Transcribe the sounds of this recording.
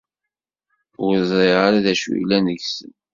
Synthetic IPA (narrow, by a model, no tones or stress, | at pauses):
ʊəzˤɾˤiʁaɾaðæʃuiilænəʝsə̰n